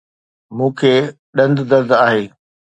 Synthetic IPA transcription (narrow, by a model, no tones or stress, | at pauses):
mũːkʰeː | ɗɐ̃nd̪d̪ɐɾd̪aːɦeː